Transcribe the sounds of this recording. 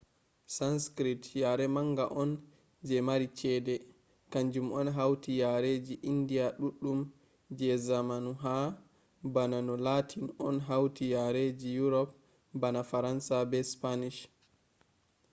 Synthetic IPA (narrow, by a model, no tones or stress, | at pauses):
sanskɾitjaɾɛmaŋɡaʔɔn | d͡ʒɛmaɾit͡ʃɛːdɛ | kaɲd͡ʒumɔnɦawtijaɾed͡ʒiʔindiaɗuɗːum | d͡ʒɛzamanuɦa | bananɔlatʰinɔnɦawtijaɾed͡ʒijuɾɔp̚ | banafaɾansabɛspaniʃ